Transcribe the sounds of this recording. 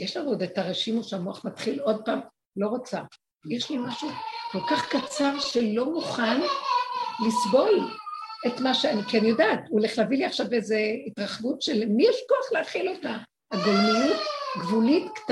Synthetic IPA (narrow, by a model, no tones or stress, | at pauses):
jeʃlanud̪etaʁeʃimoʃeamoaχmat̪χilo̞d̚paːm | lo̞ʁot͡sa | jeʃlimaʃuko̞lkaχkat͡saʁʃe̞lo̞muχan | lisbo̞le̞tmaʃeanikenjodaːtuleχlaviliaχʃavezeitʁaχvutʃelmijeʃkoaχleaχilo̞ta | aɡolmijutɡvulitkt